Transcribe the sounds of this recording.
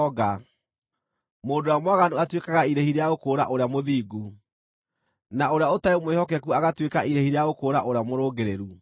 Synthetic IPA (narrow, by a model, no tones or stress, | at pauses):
ɔɣa | moːndowamwaɣanuatwekaɣaiɾehiɾeaɣokoːɾa̰ʔoɾeamoðiːɡu | naoɾeaotaemwehɔkɛkuaɣatwekaʔiɾehiɾeaɣokoːɾaʔoɾeamoɾoːɡeɾeɾu